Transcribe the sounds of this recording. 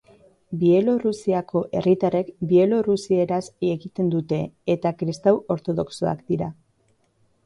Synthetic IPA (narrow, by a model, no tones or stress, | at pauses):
bie̞lo̞rusiako̞ʔe̞rit̪are̞kbie̞lo̞rusie̞ɾasieɣit̪e̞nd̪ut̪e̞ːt̪akɾist̪awo̞ɾt̪o̞ð̞o̞kso̞a̰kd̪iɾa